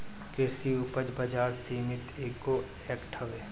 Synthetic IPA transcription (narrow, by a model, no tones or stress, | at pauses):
kɪɾsiʊpəd͡ʒbɐd͡ʒaːɾsiːmɪt̪eːkːo | ɛkʈʰɐʋeː